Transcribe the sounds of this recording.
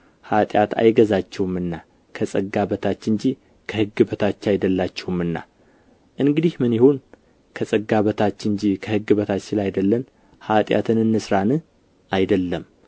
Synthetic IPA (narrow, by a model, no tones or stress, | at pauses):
hat̪ʼjat̪ʰa̰jɡəzat͡ʃːɛwumɨnːa | kʰəsʼəɡaβət̪ʰat͡ʃːɨɲd͡ʒi | kʰəhɨɡːɨbət̪ʰat͡ʃːajd̪əlːat͡ʃːɛwumɨnːa̰ | ʔɨŋɡɨd̪ihmɨnjɪhon | kʰəsʼəɡːaβət̪ʰat͡ʃːɨnd͡ʒikʰəhɨɡːɨβət̪ʰat͡ʃːɪlajd̪əlːən | hat̪ʼja̰t̪ʰɨnɨnːɨsɾanɨ | ajd̪əlːəm